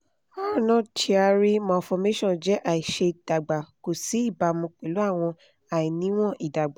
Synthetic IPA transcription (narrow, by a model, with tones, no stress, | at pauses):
a˦˨nɔ̃˦tʰi˧a˧ɾi˦mɔ̃˨fɔ˧me˦ʃɔ̃˦˨d͡ʒɛ˨˦ʔa˨i˨ʃe˧d̥a˨ɡ͡ba˨ko˨si˨˦i˦˨ba˨˧mũ˧k͡pe˨lu˨˦a˦˨w̃ɔ̃˧ | a˨i˨nĩ˨˦w̃ɔ̃˦˨ʔi˨da˨ɡ͡ba˨